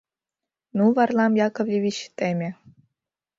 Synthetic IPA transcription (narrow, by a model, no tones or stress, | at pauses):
nuvɑrlˠɑmjɑkŏvlʲiʋʲit͡ɕt̪emʲe